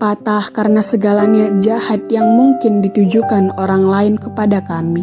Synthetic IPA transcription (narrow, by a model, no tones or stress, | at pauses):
pat̪ahkaɾənasəɡalanad͡ʒahat̪̚jaŋmuŋkɪndit̪ud͡ʒukanoɾaŋlaɪnkəpadakami